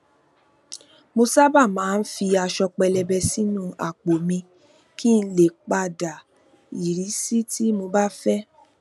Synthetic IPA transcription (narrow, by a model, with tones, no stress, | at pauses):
mo˧sa˦ba˦˨mãː˨˦˧n̩˦fi˧a˧ʃɔ˧k͡pɛ˧lɛ˧bɛ˧si˦nũ˦˨a̰˨k͡po˨mĩ˧ | ki˦n̩˦le˨k͡pa˧da˨ | i˨ɾi˨˦si˦ti˦mo˧ba˦fɛ˦